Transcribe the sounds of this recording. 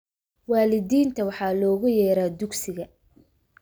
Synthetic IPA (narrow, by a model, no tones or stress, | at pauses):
wɑːlɪðiːnt̪ʰɐwɑħɑːlɔːɣʊjɛːɾaːd̪ʊɡsɪɣɐ